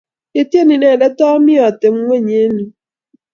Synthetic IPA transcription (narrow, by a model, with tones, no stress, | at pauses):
e˨te˦˨ni˨nɛ˨lɛ˦tɔ˦mi˦ɔ˨te˨ŋ̩˦wʷe˦˨ɲe˦nu˨